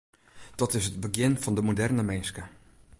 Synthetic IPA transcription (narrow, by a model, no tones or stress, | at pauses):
d̥ɔtɪsɦəd̚bəɡɪnfɔndəmodɛrnəmɛnskə